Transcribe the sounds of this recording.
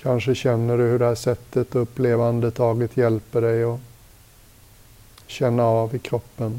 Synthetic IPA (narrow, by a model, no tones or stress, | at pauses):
kʰanʂəɕɛnːəɖɵhɵɖɛhæːʂɛt̪ːət̪ɵpːleːvand̪ət̪ʰɑːɡət̪jɛlpəɖɛjɔ | ɕɛnːaɑːvɪkʰɾɔpːən